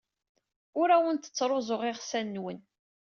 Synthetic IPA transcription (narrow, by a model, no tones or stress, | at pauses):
ʊɾæwənt̪ə̥t͡sːɾˤozʊʁɪʁsænːwən